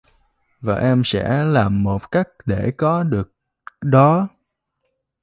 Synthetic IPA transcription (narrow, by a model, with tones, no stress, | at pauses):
vaː˨˩ʔɛ˧msɛ̰˧˥laː˨˩mːo˨˩t̚ka˦˥jk̟̚ɗe˧˩kɔ˨˦ɗɨ˨˩ək̚ | ɗɔ˨˦